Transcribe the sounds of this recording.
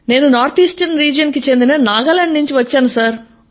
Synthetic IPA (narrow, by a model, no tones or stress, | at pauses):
ne̞ːnunaːɾt̪ʰiːsʈɐnɾiːd͡ʒɐnkit͡ʃe̞nd̪inɐnaːɡaːlɐɳɖnuɲt͡ʃiʋɐt͡ʃːaːnusaːɾ